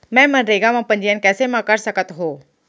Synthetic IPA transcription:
mɛ̃mənɾeɡamãpənd͡ʑijankɛsemakaɾsəkət̪ɦo

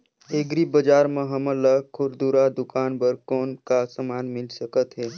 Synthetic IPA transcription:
eːɡɾibəd͡ʒaːɾmə̃ɦəmələkʰʊɾd̪uɾad̪ʊkaːnpəɾkɔːnkasəmaːnmɪlsəkət̪ɦɛː

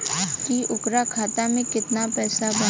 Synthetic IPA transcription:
kiʔʊkɾakʰaːt̪amẽkɪt̪napɛːslabɐ

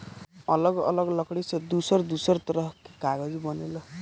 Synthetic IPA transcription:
ʌlʌɡʌ̰lʌɡlʌkɽisd̪usʌɾd̪usʌɾt̪ʌɾʌɦkikaɡʌd͡zibʌnelʌ

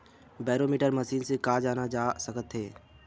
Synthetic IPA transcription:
bɛːɾoːmiːʈəɾməsiːnsekaːd͡ʒaːnad͡ʒaːsəkət̪ɦeː

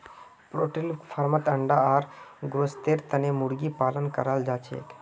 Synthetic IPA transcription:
pɾoːʈilfʰɐɾmət̪ɐɳɖaaːɾɡɾost̪eːɾt̪ɐneːmʊɾɡipaːlənkəɾaːld͡ʒaːt͡ʃʰḛːk

